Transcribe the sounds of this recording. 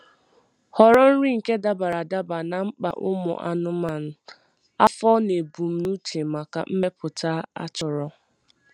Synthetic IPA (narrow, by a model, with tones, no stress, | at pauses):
hɔ˨ɾɔ˦n̩˦ɾi˦ŋ̩˨ke˦da˦ba˨ɾa˨da˦ba˨na˨ŋ͡m̩˦k͡pa̰˨ʔʊ̰˦mʊ̰˨ʔa̰˨nʊ˦ma˦˨n̩˦ | a˦fɔ˦ne˨bu˨m̩˦nu˦te˨ma˨ka̰˨m̩˦me˦pʊ˨ta˦a̰˦t͡ʃɔ˨ɾɔ˦